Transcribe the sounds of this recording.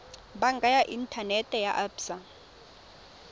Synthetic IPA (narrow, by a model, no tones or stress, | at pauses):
baŋɡʱajaʔintʼʰanɛtʼɛjaʔabsa